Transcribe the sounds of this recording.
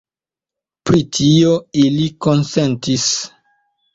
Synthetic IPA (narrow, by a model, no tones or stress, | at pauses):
pɾitʰioilikonsentis